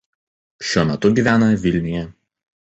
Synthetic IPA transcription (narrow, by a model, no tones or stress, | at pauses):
ʃʲuɔmʲɛt̪ʊɡʲiːˑʋʲæːnɐʋʲɪlʲnʲɪjɛ